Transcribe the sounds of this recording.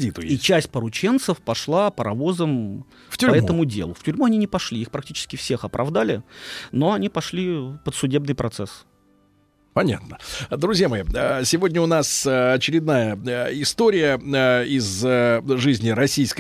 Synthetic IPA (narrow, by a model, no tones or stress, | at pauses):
dʲit̪ʊjit͡ɕæsʲt̚ʲpəɾʊt͡ɕe̞nt̪səfpɐʂlˠapəɾʔɐvo̞zəm | ftʲɾɐɛt̪əmʊdʲḛlˠʊftʲʉɾʲmuɐnʲinʲɪpɐʂlʲiixpɾɐktʲit͡ɕɪ̥skʲɪfsʲe̞xɐpɾʔɐ̰vd̪alʲɪno̞ɐnʲipɐʂlʲipət̪sʊdʲe̞bnɨjpɾʔɐt̪sɛs | pɐnʲa̰t̪nəd̪ɾʊzʲjamɐiəsʲɪvo̞dʲnʲəʊnasɐt͡ɕɪɾʲɪd̪najəɪst̪oɾʲɪjəɪzʐɨzʲnʲɪɾɐsʲijsk